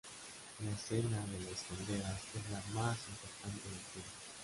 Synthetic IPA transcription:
laesenaðelestond̪eɾasezlamasimpoɾt̪ant̪eðelt̪eð

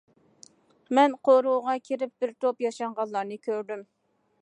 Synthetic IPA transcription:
mɛnqʰoɾuʁɑkʲʰeɾɪp̚b̥ɪɾt̪opjɑʃɑɴʁɑnlˠːɑɾnɨkʲʰøɾd̪ym

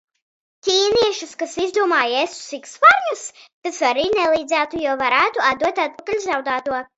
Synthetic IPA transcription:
cʲiːniɛʃuskasizd̪uɔmaːjesu̥sikspaɾɲust̪asaɾiːnɛlˠiːd̪zæːt̪ujuɔvaɾæːt̪uad̪d̪uɔt̪at̪̚pakalʲzawd̪aːt̪uɔ

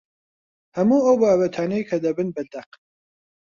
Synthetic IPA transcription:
hɐmuːɐwbaːbɐt̪ʰaːnejkʰɐd̪ɐbɨnbɐd̪ɐq

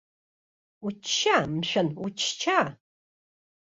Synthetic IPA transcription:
ut͡ʃʃaːmɕʷɐnʊt͡ʃʰt͡ʃʰaː

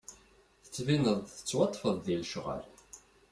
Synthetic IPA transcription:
θə̥t͡sːvinəðˤθə̥t͡sːwɑt̪ˤːfəðˤðilʃʁə̰l

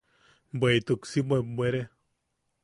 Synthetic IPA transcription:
bʷejt̪uksibebʷeɾe

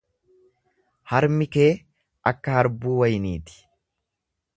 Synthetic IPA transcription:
hɐɾmɪkeː | ʔɐkːɐhɐɾbuːwɐjniːt̪ɪ̥

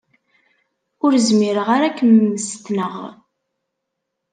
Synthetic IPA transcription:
ʊɾzmiɾəʁaɾakːəmːəst̪nəʁ

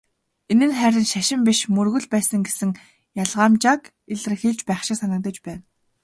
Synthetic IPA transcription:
enɘ̆nχæɾʲɪ̆nʃaʃɪ̆mpʲiʃmɵrɣɵ̆ɮpæːsə̆ŋɡesɘ̆ŋ | jaɮʁaːmt͡ɕak | eɮɘ̆rxeɮt͡ɕpæːχʃɪ̆ŋsanə̆k̚t̪ə̆t͡ɕpæːn

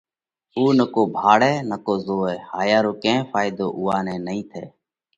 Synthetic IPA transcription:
uːnəkoːbʱaːɽɛːnəkoːzoːɛːhaːjaːɾoːkẽːfʰaːɪd̪o̰ːʔʊːaːnɛ̃ːnəĩːt̪ʰeː

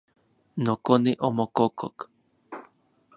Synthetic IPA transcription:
nokoniʔomokokʰok

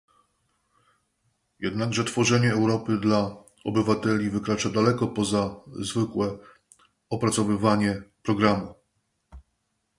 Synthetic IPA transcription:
jɛd̪naɡʐɛt̪fɔʐɛɲɛːwɾɔpɘd̪la | ɔ̰bɘvat̪ɛlʲivɘkɾat͡ʂad̪alɛkɔpɔzazvɘkwɛ | ɔpɾat̪sɔvɘvaɲɛpɾɔɡɾamu

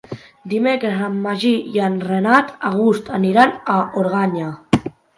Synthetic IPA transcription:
d̪imekɾezamːaʒijanrenat̪aɣ̞ust̪aniɾanaoɾɣ̞aɲa

